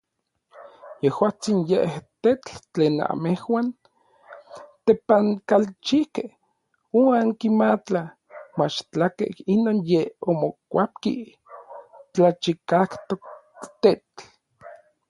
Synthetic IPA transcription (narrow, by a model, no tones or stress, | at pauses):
jehwaːt͡sinjeʔht̪et͡ɬt͡ɬeːna̰mehwaːn | t̪epaŋkalt͡ʃihkeh | uaŋkimat͡ɬa | mat͡ʃt͡ɬakḛhinoːnjeomokʷap̚kḭ | t͡ɬat͡ʃikakt̪ok̚ | t̪et͡ɬ